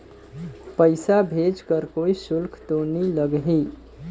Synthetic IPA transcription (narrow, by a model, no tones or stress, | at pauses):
pəɪsabʱed͡ʒkəɾkoisulkʰt̪oniləɡɦi